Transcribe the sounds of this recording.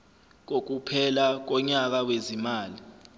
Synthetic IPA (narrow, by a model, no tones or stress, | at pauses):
k̬ok̬upʰɛlak̬ɔɲak̬awezimaːli